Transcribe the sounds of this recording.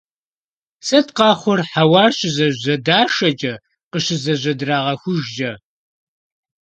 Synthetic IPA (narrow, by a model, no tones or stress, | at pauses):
sɐtqɑːχʷʊrħawɑːrɕʼɪzɐʑɐdaːʂɐt͡ʃʼɐ | qəɕɪzɐʑʷɐdraːʁɐxʷʊʒd͡ʒɐ